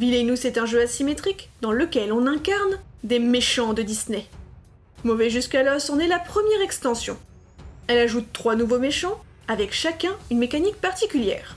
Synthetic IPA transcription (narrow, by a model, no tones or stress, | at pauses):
vilenusɛt̪ɛ̃ʒøasimet̪χikd̪ɑ̃ləkʲɛlɔ̃nɛ̃kaʁnd̪emeʃɑ̃d̪əd̪isnɛ | mɔvɛʒyskalɔsɔ̃nɛlapχəmjɛʁɛkst̪ɑ̃sjɔ̰̃ | ɛlaʒut̪ːχwanuvomeʃɑ̃ | avɛkʃakʲɛ̃ynmekanik̚paʁt̪ikʲyljɛ̰ːʁ